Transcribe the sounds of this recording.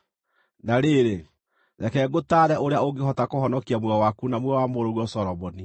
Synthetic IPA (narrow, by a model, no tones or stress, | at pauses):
naɾeɾe | ɾɛkɛɡotaːɾɛʔoɾeaoɡeɦɔtakoɦɔnɔkiamwɛɔwakunamwɛwamoɾoɾwɔsɔɾɔmɔni